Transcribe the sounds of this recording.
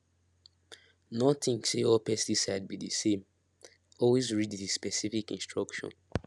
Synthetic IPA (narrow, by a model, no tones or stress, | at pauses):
nɔtĩŋseɔpɛstisaɪd̚bidisẽm | ɔlwezɹiddispɛsifikḭ̃nstɹɔkʃɔ̰̃n